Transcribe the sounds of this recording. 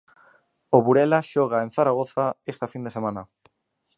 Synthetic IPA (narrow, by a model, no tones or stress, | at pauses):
oβuɾelaʃoɣ̞aenθaɾaɣ̞o̞θaest̪afind̪ese̞mana